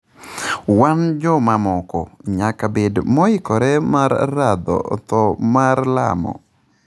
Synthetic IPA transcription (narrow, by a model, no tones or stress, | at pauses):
wand͡ʒɔmamɔkɔɲakabedmɔɪkɔɾɛmarːad̪ɔ̰t̪ɔmarla̰mɔ̰